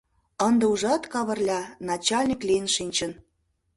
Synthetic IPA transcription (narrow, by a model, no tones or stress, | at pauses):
ənd̪ĕuʒɑt̪kɑβə̆rlʲɑnɑt͡ɕɑlʲnʲiklʲiənʃinʲt͡ɕən